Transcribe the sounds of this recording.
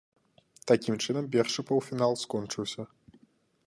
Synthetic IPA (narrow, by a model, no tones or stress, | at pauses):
t̪akʲimt͡ʂɨnɐmpʲɛrʂɨpɐwfʲinalˠskɔnt͡ʂɨwsʲɐ